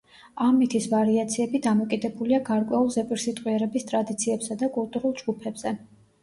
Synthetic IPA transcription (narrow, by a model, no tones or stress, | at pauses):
amit̪ʰisvaɾiat̪sʰiɛbid̪amɔkʼid̪ɛbuliaɡaɾkʼwɛulˠzɛpʼiɾsit̪ʼqʼwiɛɾɛbist̪ʼɾad̪it̪sʰiɛbsad̪akʼulˠt̪ʼuɾulˠd͡ʒɡupʰɛbz̥ɛ